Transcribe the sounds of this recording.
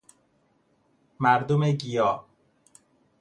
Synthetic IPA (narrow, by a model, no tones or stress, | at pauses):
mæɾd̪omeɡijɒː